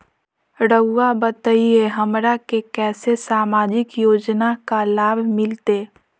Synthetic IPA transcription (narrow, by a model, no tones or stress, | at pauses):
ɽəʊːabət̪əieɦəmɾakekɛːsesaːmaːd͡ʒɪkjoːd͡ʒnakalaːbʱmɪlt̪eː